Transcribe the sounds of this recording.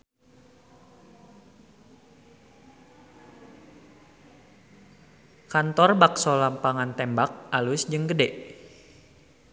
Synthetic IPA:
kant̪ɔrbaksɔlampaŋant̪ɛmbak̚ʔalʊsd͡ʒɨŋɡədɛʔ

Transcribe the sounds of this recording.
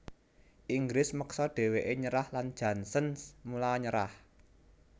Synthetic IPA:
ʔiŋɡɾlɪsməksɔɖ̥e̤weʔeɲəɾahland̥ʒ̥ä̤nsənsmulaɲəɾa̰h

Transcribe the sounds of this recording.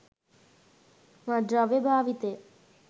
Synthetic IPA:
mãɖɾaʋebʱaːʋit̪e

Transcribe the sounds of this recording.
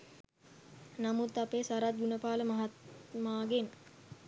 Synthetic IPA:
namut̪apesaɾat̪̚ɡunəpaːləmaɦat̪maːɡen

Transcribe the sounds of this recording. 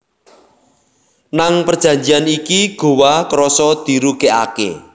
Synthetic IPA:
naŋpərd̥ʒ̥ä̤ɲd͡ʒijanikiɡ̥o̤wakəɾɔsɔd̪̥i̤ɾuɡ̥ea̰kḛ

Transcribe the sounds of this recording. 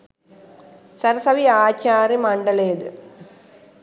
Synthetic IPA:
sɐɾɐsɐʋiaːt͡ɕːaːrimɐɳɖɐleːd̪ɨ

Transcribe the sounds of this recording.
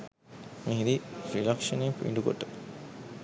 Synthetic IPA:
mĩɦiɾiɾilɐkʂɐneːpuḭɳɖuɡo̰ʈːə

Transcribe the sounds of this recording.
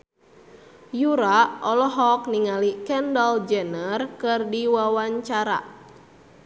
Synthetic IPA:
juɾaɔlɔɦɔk̚niŋalikɛndɔld͡ʒɛnərkɨrdiwawaɲt͡ʃaɾa̰

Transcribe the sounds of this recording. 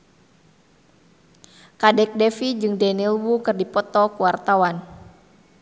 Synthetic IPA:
kadɛk̚dɛfid͡ʒɨŋdɛnilwukɨrdipɔt̪ɔkuwart̪awan

